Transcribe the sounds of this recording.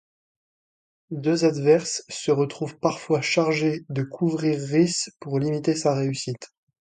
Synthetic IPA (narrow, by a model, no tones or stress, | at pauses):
d̪øzad̪vɛʁsːəʁət̪χuvpaʁfwaʃaʁʒed̪əkʰuvʁiʁːispuʁlimit̪esaʁeysit̪